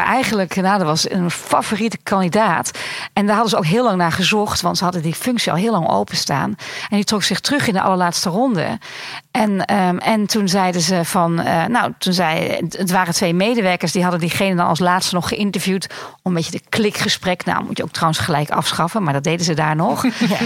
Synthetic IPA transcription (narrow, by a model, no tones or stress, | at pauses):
ʔɛjɣənləknadəʋɑsənfavoːritəkʰɑndidaːtʔɛndaːɹɦɑdəzəowkɦɪəlɑŋnaːɹχəzɔχtʋɑntsəɦɑdəndifʏŋksiɔ̰lˠɦɪːəlɑŋo̰wpəsta̰ːnɛnditrɔksɪχtrøχɪndəʔɑ̰ləɹlaːtstərɔndə̰ | ʔɛnəɛntʰunzɛjdəzəv̥ɑnə̰nowtunzɛjətʋaːrətʋejmejdəʋɛɹkəɹsdiɦɑdəndiχejnəndɑnɑ̰lˠslaːtstənɔχːəʔɪntəɹvjutɔməmbejədəklɪkχəsprɛkna̰wmutjəo̰wk̚trawənsχəlɛjkɑ̰fsχɑfənmaɹdɑt̚dejdəzədaːɹnɔx